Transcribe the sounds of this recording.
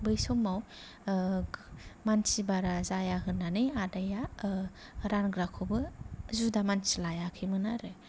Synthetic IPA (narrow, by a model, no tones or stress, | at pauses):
bɯjsɔmːaw | mansibaɾazajaɦɯnːanɯjadaja | ɾanɡɾakʰobɯzudamansilajakʰimɯnaɾɯ